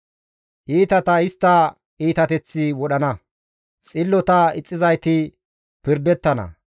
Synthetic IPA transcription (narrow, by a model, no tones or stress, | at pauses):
ʔiːt̪ɐt̪ɐɪst̪ːɐ | iːt̪ɐt̪ɛt͡sːɪwɔɗɐnɐ | t͡sʼɪlːɔt̪ɐɪt͡sʼːɪzɐjt̪ɪ | pɪɾd̪ɛt̪ːɐnɐ̰